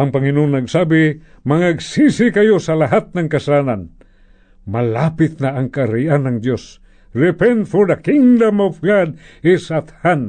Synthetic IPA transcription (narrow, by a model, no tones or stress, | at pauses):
ʔaŋpɐŋɪnoːnːaɡsabɪ | maŋaɡsisɪkajosalaɦat̪̚naŋkɐsalanan | mɐlapɪt̪̚naːŋkaɾiʔanːaŋd̪jos | ɾɪpɛnfod̪akɪŋd̪amafɡad̪̚ɪsat̪han